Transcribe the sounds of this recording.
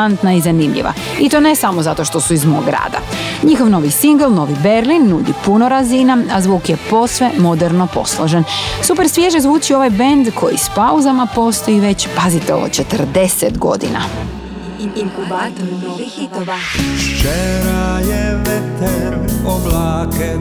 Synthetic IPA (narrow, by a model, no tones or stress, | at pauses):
ant̪naizanimʎḭʋa̰ | it̪o̞ːne̞samozat̪o̞ʃt̪o̞suizmo̰ɡɾa̰ːd̪a̰ɲixo̞ʋno̞ʋisiŋɡəlˠno̞ʋibe̞ɾlinːud̪ipuno̞ɾazinaazʋuːkjepo̞sʋe̞mo̞d̪eɾno̞po̞̰slˠo̰ʒensupe̞ɾsʋjeʒezʋuːt͡ɕio̞ʋajbend̪kʰo̞jḭspauzamapo̞st̪o̞jiʋe̞t͡ɕpazit̪eo̞̰ʋo̰t͡ɕet̪əɾd̪e̞set̪ɡo̞̰d̪ḭna̰ | t͡ʃeɾajɛʋɛt̪ɛɾoblaːke